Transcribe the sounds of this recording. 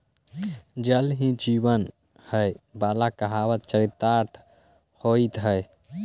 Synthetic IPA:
d͡ʒəlɦĩd͡ʒibən | həjbalakəɦawət̪t͡ʃəɾit̪ːaɾt̪ʰ | hoit̪ɦəj

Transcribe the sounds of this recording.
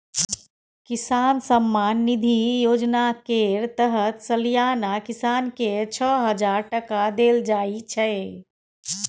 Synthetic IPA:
kisansəmːanːid̪ʱijod͡ʒnakeɾt̪əɦət̪səlijanakisanket͡ʃʰəɦəd͡ʒaɾʈəkad̪eld͡ʒait͡ʃʰɛ

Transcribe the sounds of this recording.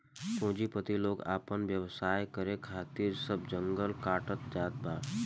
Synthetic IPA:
põːd͡ʒipət̪iloːɡa̰ːpənʋjəʋsaːjkəɾekʰaːt̪iːɾsəbd͡ʒə̃ŋɡəlkaːʈət̪̚d͡ʒaːt̪̚baːɾ

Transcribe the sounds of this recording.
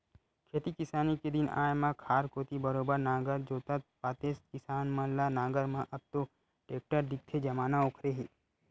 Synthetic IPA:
kʰeːt̪ikɪsaːniked̪ɪna̰ːjmãkʰaːɾkoːt̪ibɐɾoːbəɾnaːɡəɾd͡ʒoːt̪ət̪̚paːt̪eːst̪kɪsaːnmãlanaːɡəɾmãʔɐb̚t̪o | ʈeːk̚ʈəɾd̪ɪk̚t̪ʰed͡ʒɐmaːnaoːkʰɾeɦiː

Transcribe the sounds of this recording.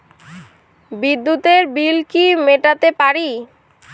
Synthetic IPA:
bid̪ːut̪eɾbilkimeʈat̪epaɾi

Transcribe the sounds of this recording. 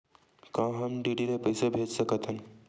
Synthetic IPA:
kãɦamɖiɖilepəjsabʱet̪səkət̪an

